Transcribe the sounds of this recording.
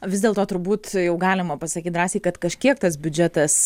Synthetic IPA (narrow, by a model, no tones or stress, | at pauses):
ʋʲɪzd̪ʲeːlˠt̪oːt̪ʊɾbuːt̪jɛʊɡɑːlʲɪmɐpɐsɐkʲiːt̪̚d̪ɾɑːsʲiːkɐt̪kɐʃʲkʲiɛkt̪ɐs̬bʲʊd͡ʒʲɛt̪ɐs